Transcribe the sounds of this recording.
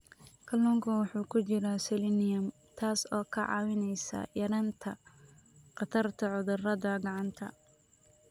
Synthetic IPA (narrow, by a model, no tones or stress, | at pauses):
kʰɐlɔŋkʰɐwʊħuːkʰʊt͡ʃɪɾɐsɛlinɪjɐm | t̪ʰaːsɔːkʰɐʕɑ̰ːwɪnɛjsɐ̰jɐɾɐnt̪ʰɐ | qɑt̪ʰɐrt̪ʰɐʕʊðʊrɐðɐɡɑʕɑnt̪ʰɐ̰